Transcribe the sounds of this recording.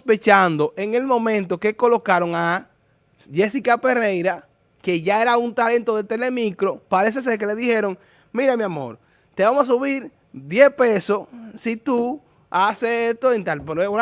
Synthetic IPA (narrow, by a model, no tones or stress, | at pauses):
pe̞t͡ʃand̪o̞ʔe̞ŋe̞lmõ̞mẽnt̪o̞ke̞ko̞lo̞kaɾo̞ŋa | ʝe̞sikape̞re̞jɾa | ke̞ʝae̞ɾaunt̪ale̞nt̪o̞ðet̪e̞le̞mikɾo̞paɾe̞s̬e̞s̬e̞ɾk̬e̞le̞ðihe̞ɾo̞ŋ | mĩɾamjamo̞̰ɾ | t̪eβamosas̬uβiɾ | d̪je̞spesosit̪u | aseet̪oent̪alpeɾo